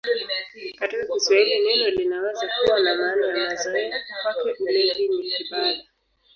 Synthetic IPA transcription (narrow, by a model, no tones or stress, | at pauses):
katikakiswahilinɛnɔlinawɛzakuwanamaːnajamazuɛikwakɛʔ̩lɛŋɡinikiɓaɗa